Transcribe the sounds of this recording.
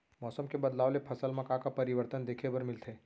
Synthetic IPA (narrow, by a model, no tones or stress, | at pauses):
mɔːsəmkebɐd̪laːʋlepʰɐsəlmɐ̃kakapɐɾɪʋəɾt̪ənd̪eːkʰebɐɾmɪlt̪ʰeː